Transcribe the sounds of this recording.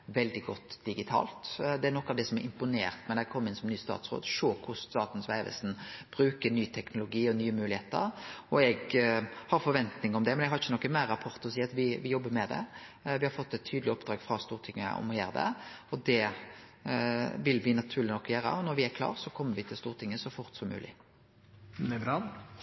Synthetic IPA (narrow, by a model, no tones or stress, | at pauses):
ʋɛld̪ɪɡɔt̪ːd̪ɪɡɪt̪ʰɑ̰ːlt̪d̪ɛæɾnɔkːɑʋd̪ɛsɔmɛɾɪmpʊnḛːɾt̪mɛnækʰɔmːəɪnsɔmnyːəst̪ɑ̰ːt̪sɾo̰ːd̪ʃoːkʰʊst̪ɑːt̪n̩sʋæɪʋɛ̰sn̩b̥ɾʉːkəɾnyːət̪ʰɛknʊlʊɡiːɔnyːəmʉːlɪheːt̪ə̰ɾɔɛɡhɑɾfɔɾʋɛnt̪nɪŋəɔmd̪ɛmɛnɛɡhɑɾɪçːənɔkːəmæɾːɑpʰɔɾt̪əɾɔsiːɑt̪ʋɪʋɪjɔbːəmɛd̪ɛ̰ | ʋɪhɑɾfɔt̪ːɛt̪ʰːyːd̪lɪɔpd̪ɾɑːɡfɾɑst̪uːɾt̪ʰɪŋːə̰ɔ̰mɔjḛːɾd̪ɛ̰ɔd̪ɛ | ʋɪlʋɪnɑt̪ʰʉːɾlɪnɔkːjøːɾə̰ɔnɔɾʋɪæɾkʰlɑ̰ːʁsɔkʰɔmːəɾʋɪt̪ʰɪlst̪uːɾt̪ʰɪŋːəsɔfʊɾt̪sɔmːʉ̰ːlʔɪ̰ | ɾɑ